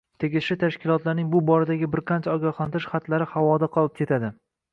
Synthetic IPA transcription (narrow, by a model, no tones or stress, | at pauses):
t̪ʰe̞ɡʲɪʃɪt̪ʰaʃkʲɪlˠɒt̪laɾnɪŋbʊbɒɾad̪aɡʲɪbɪɾqʰɑnt͡ʃʰaɒɡʲɒχlˠant̪ʰɪʃχat̪laɾɪhawɒd̪aqʰɒlˠɪp̚kʰʲe̞t̪ʰad̪ɪ